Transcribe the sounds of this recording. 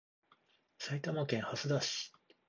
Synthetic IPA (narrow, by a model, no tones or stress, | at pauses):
sait̪amakẽɰ̃hasɨd̪aɕi̥